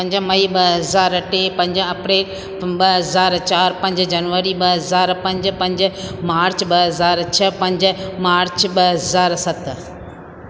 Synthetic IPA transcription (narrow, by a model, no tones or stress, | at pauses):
pɐ̃ɲd͡ʑmɐiɓɐɦɐzaːɾʈeːpɐ̃ɲd͡ʑəɐpɾeːl | ɓɐɦɐzaːɾt͡ɕaːɾpɐ̃ɲd͡ʑd͡ʑɐnʋəɾiɓɐɦɐzaːɾpɐ̃ɲd͡ʑpɐ̃ɲd͡ʑ̆maːɾt͡ɕɓɐɦɐzaːɾt͡ɕʰɐpɐ̃ɲd͡ʑ̆maːɾt͡ɕɓɐɦɐzaːɾsɐt̪